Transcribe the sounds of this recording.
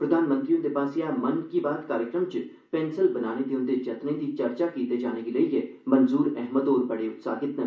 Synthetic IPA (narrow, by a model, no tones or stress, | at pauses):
pɾəd̪ʱaːnmə̃nt̪ɾiːʊ̃nd̪epaːsiamənkiːbaːd̪kaːɾjəkɾəmt͡ʃ | pɛːnsəlbənaːned̪eʊ̃nd̪ed͡ʒɐt̪nẽd̪iːt͡ʃəɾt͡ʃakiːt̪ed͡ʒaːneɡiləieː | mənzuːɾɛɦməd̪oːɾbəɽeːʊt̪sa̰ːɡɪt̪nə